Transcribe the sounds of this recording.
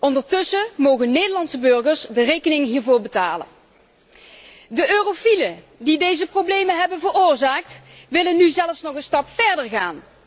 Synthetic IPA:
ɔndəɹtɵsəmowɣənnejdəlɑntsəbɵɹɣəɹsdərejkənɪŋɦiːɹvʊːɹbəta̰ːlə̰n | dəʔøːrofilə | didejzəprowblejməɦɛbənvəɹoːɹzaːk̚tʋɪlənːyzɛləfsnɔχənstɑpfɛɹdəɹɣaːn

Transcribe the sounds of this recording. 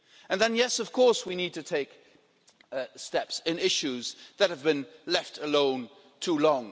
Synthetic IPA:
ə̃nðə̃njɛsʌv̥kʰɔɹˑswinid̚tʰɨtʰeɪk | stɛpsɪ̃nɪʃʉzðət̚həvbɨ̃nlɛftʰəlõʊ̃n | tʰuːlɔ̃ŋ

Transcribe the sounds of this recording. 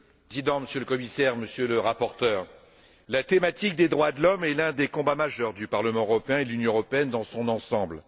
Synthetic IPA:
zid̪ɑ̃məsjøləkɔmisɛʁməsjøləʁapɔʁt̪œːʁ | lat̪emat̪ik̚d̪ed̪ʁwad̪lɔmɛlɛ̃d̪ekɔ̃bamaʒœʁd̪ypaʁləmɑ̃øʁɔpeɛ̃ed̪əlynjɔ̃əʁɔpeɛnd̪ɑ̃sɔ̃nɑ̃sɑ̃bl

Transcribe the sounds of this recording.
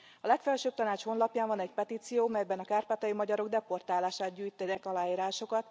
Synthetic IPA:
ɒlɛkfɛlʃøːp̚t̪ɒnaːt͡ʃho̞nlɒpjaːɱvɒnɛcpɛt̪iːt̪sijoːmɛjbɛnɒkaːrpaːt̪ɒjimɒɟɒɾo̞ɡ̚d̪ɛpo̞rt̪aːlaːʃaːt̪̚ɟyːjt̪ɛd̪ɛkɒlaːiːɾaːʃo̞kɒt̪

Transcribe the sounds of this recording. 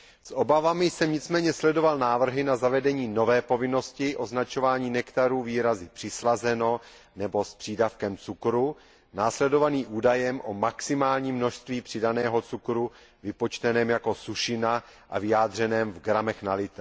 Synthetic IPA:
sʔo̞bavamɪjsɛmɲɪt͡smɛːɲɛslɛdo̞valnaːvr̩ɦɪnazavɛdɛɲiːno̞vɛːpo̞vɪno̞scɪʔo̞znat͡ʃo̞vaːɲiːnɛkt̪aɾuːviːɾazɪpr̝̥ɪslazɛno̞ | nɛbo̞spr̝̥ɪdafkɛmt͡sukɾu | naːslɛdo̞vaniːʔuːdajɛmʔo̞maksɪmaːlɲiːmːno̞ʃst̪viːpr̥ɪdanɛːɦo̞t͡sukɾu | vɪpo̞t͡ʃt̪ɛnɛːmjako̞suʃɪna | ʔa̰vɪjaːdr̝ɛnɛːmvɡɾamɛxnalɪt̪

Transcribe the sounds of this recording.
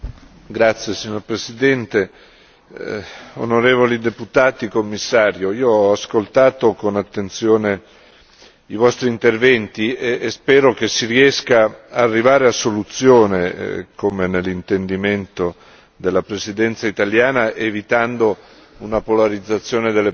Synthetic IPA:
ɡɾat̪sːjesiɲːoɾpɾesid̪ɛnt̪e | o̰noɾeːvolid̪eput̪aːt̪ikomːisːaːɾjoiːoɔaskolt̪aːt̪okonat̪ːent̪sjoːne | ivɔst̪ɾiːnt̪ervɛnt̪iespɛːɾok̟esːiriɛskaarːivaːɾeasolut̪sjoːnḛkomenelːint̪end̪iment̪o | d̪elːapɾesid̪ɛnt̪sait̪aljaːnaʔevit̪and̪o | unapolaɾid̪zːat̪sːjoːned̪elːe

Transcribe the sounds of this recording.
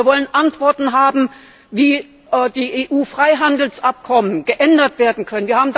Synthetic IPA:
ɐvɔlənʔantv̥ɔɐtn̩ɦaːbm̩ | viː | diːʔeːʔuːfʁ̥aɪɦandl̩sʔap̚kʰɔmənɡ̥əʔɛndɐtv̥eːɐdn̩kʰœnənviːɐhaːbm̩d

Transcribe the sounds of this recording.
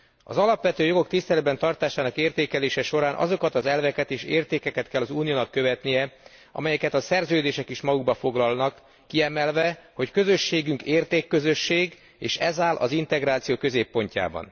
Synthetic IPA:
ɒ̰zɒlɒpʋɛt̪øːjo̞ɡo̞kt̪ist̪ɛlɛd̪bɛnt̪ɒrt̪aːʃaːnɒkeːrt̪eːkɛleːʃɛʃo̞ɾaːnʔɒ̰zo̞kɒt̪ɒzɛlvɛkɛt̪eːʃeːrt̪eːkɛkɛt̪kɛlːɒzuːnijoːnɒkːø̞vɛt̪nijɛ | ɒ̰mɛjɛkɛt̪ɒsɛrzøːd̪eːʃɛkiʃmɒɡuɡ̚bɒfo̞ɡlɒlnɒkː | iɛmɛlvɛho̞ckø̞zø̞ʃːeːɡyŋkeːrt̪eːkːø̞zø̞ʃːeːɡ | eːʃɛzaːlʔɒ̰zint̪ɛɡɾaːt̪sijoːkø̞zeːpːo̞ɲca̰ːbɒ̰n

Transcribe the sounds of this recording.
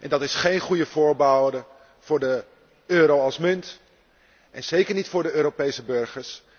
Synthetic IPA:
ʔɛ̰ndɑtɪsχejnχujəvʊːɹbawdə | v̥ʊːɹdə | øːɾowɑlˠsmʏnt | ʔɛnz̥ejkəɹnitfʊːɹdəøːɾopejsəbøɹχəɹs

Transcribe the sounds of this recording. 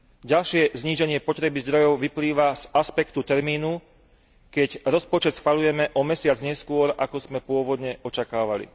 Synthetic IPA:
ɟalʃɪɛzɲiːʒɛɲɪɛpɔt̪ɾɛbizd̪ɾɔjɔʊʋipliːʋaz̥aspɛkt̪ut̪ɛɾmiːnu | kɛɟɾɔspɔt͡ʃɛt̪sxʋaʎujɛmɛʔɔmɛsɪad͡zɲɛskʊɔɾʔakɔz̥mɛpʊɔʋɔd̪ɲɛɔt͡ʃakaːʋalḭ

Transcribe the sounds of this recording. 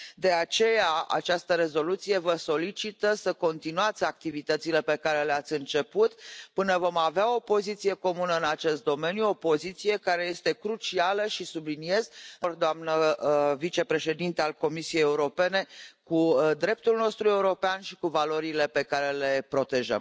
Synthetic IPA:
d̪e̞at͡ʃe̞jaa̰t͡ʃast̪əɾe̞zo̞lut̪sije̞vəso̞lit͡ʃit̪əsəko̞nt̪inuat̪sʲak̚t̪ivit̪ət̪sile̞pe̞kaɾe̞leat̪sʲɨnt͡ʃe̞put̪pɨnəvo̞maveao̞po̞zit̪sije̞ko̞munəɨnat͡ʃe̞st̪̚d̪o̞me̞njuo̞po̞zit̪sije̞kaɾe̞je̞st̪e̞kɾut͡ʃialəʃisublinie̞zɨrd̪oamnəvit͡ʃe̞pɾe̞ʃe̞d̪int̪ealko̞misiejeuɾo̞pe̞ne̞kud̪ɾe̞p̚t̪ulno̞st̪ɾue̞uɾo̞peanʃikuvalo̞ɾile̞pe̞kaɾe̞le̞pɾo̞t̪e̞ʒə̰m

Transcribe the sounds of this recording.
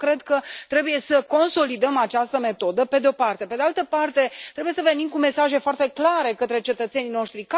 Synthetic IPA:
kɾe̞d̪kət̪ɾe̞buje̞səko̞nso̞lid̪əmat͡ʃast̪əme̞t̪o̞d̪əpe̞d̪eopart̪e̞pe̞d̪ealt̪əpart̪e̞t̪ɾe̞buje̞səve̞nimkume̞saʒe̞foart̪e̞klaɾe̞kət̪ɾe̞t͡ʃe̞t̪ət̪se̞nijno̞ʃt̪ɾika

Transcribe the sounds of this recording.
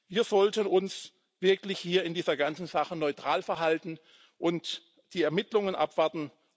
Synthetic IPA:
viːɐzɔltənʊns | v̥ɪɐklɪçhiːɐɪndiːzɐɡant͡sn̩z̥aχənɔʏtʁ̥aːlfɛɐɦaltn̩ | ʔʊnt | d̥iːɛɐmɪtlʊŋənʔa̰pv̥aɐtn̩

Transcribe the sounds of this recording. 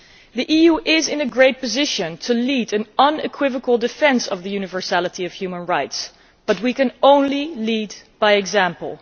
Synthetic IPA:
ðiʔijuʔɪzɪ̃nɨɡɹeɪt̚pɨzɪʃɨ̃ntʰɨliɾɨ̃nʌ̃nɨ̰kʰw̥ɪvəkəl̩ˠdɨfɛ̃nsʌ̰vðɨjʉnɨvə˞sælˠəɾiʌv̥hjʉmə̃nɹaɪts | b̥ʌt̚wikɨ̃nõʊ̃nlilid̚b̥aɪɨɡzæ̃mpl̩ˠ

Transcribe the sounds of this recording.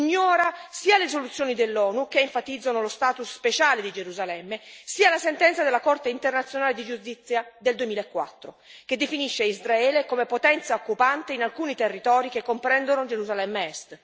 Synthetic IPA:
ɲːɔːɾasiːaleis̬olut̪sːjoːnid̪elːɔːnukeːɱfat̪id̪zːanolost̪aːt̪usːpet͡ʃaːled̪id͡ʒeɾuzalɛmːesiːalasent̪ɛnt̪sad̪elːakort̪eint̪ernat̪sːjonaːled̪id͡ʒust̪it̪sːjad̪eld̪uemiːlaekːwa̰t̪ːɾo | k̟ed̪ːefiniʃːeizraɛːlekomepot̪ɛnt̪saokːupant̪einalkuːnit̪erːit̪ɔːɾik̟ekːompɾɛnd̪onod͡ʒeɾuzalɛmːeɛst̪

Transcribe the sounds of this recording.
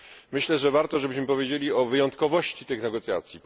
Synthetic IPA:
mɘɕlɛʐɛvaɾt̪ɔʐɛbɘɕmɘpɔvʲjed͡ʑelʲiɔvɘjɔnt̪kɔvɔɕt͡ɕit̪ɘxnɛɡɔt̪sʲja̰t̪sʲjip

